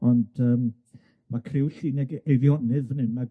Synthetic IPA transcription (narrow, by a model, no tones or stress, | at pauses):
ɔnd̥əːm | makʰrɪwɬiːnɛɡevjɔnɨðənɨnma